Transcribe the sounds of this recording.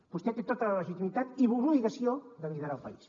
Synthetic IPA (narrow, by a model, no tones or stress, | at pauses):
b̥ust̪et̪et̪ot̪ələləʒit̪imit̪at̪iβuluiɣəsiod̪əliðəɾalˠpɐ̰is